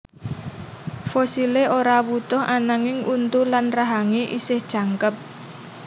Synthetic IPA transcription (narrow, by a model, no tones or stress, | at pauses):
fosileʔoɾawut̪ʊhʔanaŋɪŋʔunt̪ulanraɦaŋeʔisɪhd̥ʒ̥a̤ŋkəp̚